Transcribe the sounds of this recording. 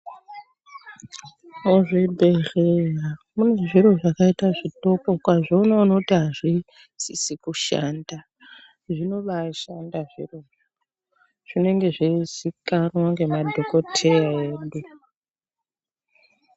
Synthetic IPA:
oʐebʱe̞reramune̞ʐiro̞ʐakaitaʐito̞ko̞kwaʐonoːnokutiɦaʐi | sisikuʃa̰nda | ʐino̞ɓaʃandaʐḭroro | ʐ̥ine̞ŋɡe̞ʐiisikanwaŋɡe̞madʱo̞ko̞tʰe̞jae̞ːɗu

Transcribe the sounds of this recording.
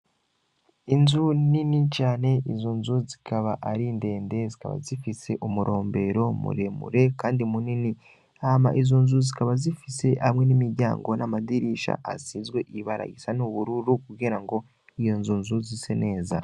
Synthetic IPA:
inzuninicaːne̞ʔizonzuzikʰaβaʔaɾinde̞ːnde̞zika̰βa̰zifise̞ʔumuɾʔo̞ːmbe̞ɾo̞mṵɾe̞mṵɾe̞kaːndimunini | ama̰ʔizo̞nzuzikaβazifise̞ʔamŋe̞nimiɾɟa̰ːŋɡo̞namadiɾiʃa̰ʔa̰siːzɡwe̞ʔiβaɾa̰ɡisanuβuɾuɾukuɡɡeːɾaŋɡo̞ | ijo̞nzunzuzisene̞ːza

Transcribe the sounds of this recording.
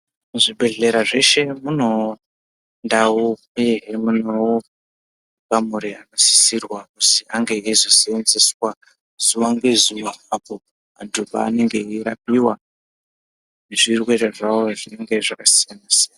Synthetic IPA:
muʐibʱe̞ɮe̞ɾaʐe̞ʃe̞muno̞ | ndawupeɦemuno | ɡamuɾiakasi̥sirwakusiʔaŋɡe̞izosenziswa | z̥uwaŋɡe̞zuwaapo | a̰ndupa̰ːne̞ŋɡe̞iɾapiwa | neʐirwe̞reʐawoʐine̞ŋɡe̞ʐakasijanasijana

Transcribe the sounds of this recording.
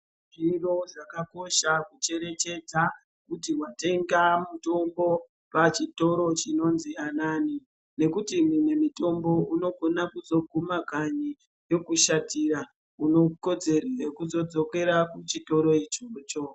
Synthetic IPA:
ʐiro̞ʐakako̞ʃakut͡ʃe̞ɾe̞t͡ʃe̞d͡za | kutiwate̞ŋɡamuto̞mbo̞ | pat͡ʃito̞ɾo̞t͡ʃino̞nzianaːni | ne̞kutimwumwemito̞mbo̞uno̞ɡʱo̞nakuzo̞ɡʱumakaɲi | jo̞kuʃatira | uno̞ko̞d͡ze̞rirekuzo̞d͡zo̞ke̞ɾakut͡ʃito̞ɾo̞it͡ʃoːt͡ʃo̞

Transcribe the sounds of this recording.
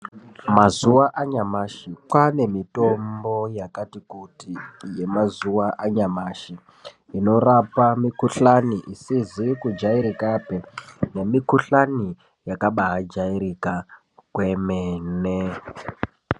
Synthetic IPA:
mazuwaʔaɲamaʃikwane̞mitombo̞jakatikutije̞mazuwaʔaɲamaʃi | ino̞rapamikuɬaniʔisizikud͡ʒaiɾikapene̞mikuɬani | jakaɓaɦad͡ʒaiɾika | kwe̞meːne

